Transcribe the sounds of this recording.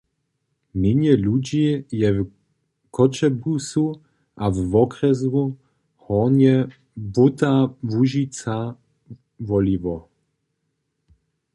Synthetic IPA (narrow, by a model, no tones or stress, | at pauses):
mɪɲjɛlud͡ʑiːjɛv | kʰɔt͡ʃɛbusu | ʔavːɔkʁɛzu | hɔnɛ | but̪avuʒit͡sa | vɔlivɔ